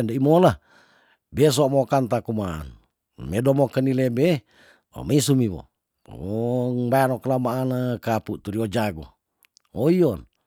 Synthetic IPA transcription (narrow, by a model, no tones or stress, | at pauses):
ndəimola | bes̬omokant̪akuma̰ːn | medomokənilebe | o̰misumiβo̰ | ŋbajanokəlamaːnəkaput̪uɾiod͡ʒaɡo̰ | oiɔn